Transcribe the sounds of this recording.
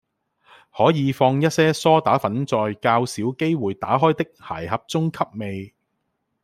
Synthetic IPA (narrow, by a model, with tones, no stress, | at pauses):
hɔː˨˥jiː˨˧fɔː˧ŋjɐ˥t̚sɛː˥sɔː˥t̪aː˨˥fɐ˨˥nt͡sɔː˧jkaː˧wsiː˨˥wke˥jwuː˨jt̪a̰ː˨˥ɦɔː˥jt̪ɪ˥k̚ha̰ː˨˩jɦɐ˨p̚t͡sʊ˥ŋkʰɐ˥p̚me˨˧j